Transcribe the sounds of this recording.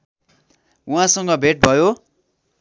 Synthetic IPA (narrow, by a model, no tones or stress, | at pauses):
uɦãsʌŋɡʌbʱeʈ̚bʱʌjo